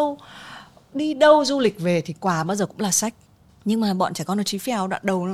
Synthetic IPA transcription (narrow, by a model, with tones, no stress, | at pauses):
w | ɗi˧ɗə˧wzu˧lï˨˩k̟̚ve˨˩t̪ʰi˨˩kwaː˨˩ɓaː˧wzəː˨˩kʊ̰˧˥ŋ͡mlaː˨˩sa˦˥jk̟̚ | ɲɨ˧ŋmaː˨˩ɓɔ̰˧˨t͡ɕaː˧˩kɔ˨˧˦no˨˩t͡ɕi˨˦fi˧a˨˧˩wɗwa̰ː˧˨nɗə˨˩w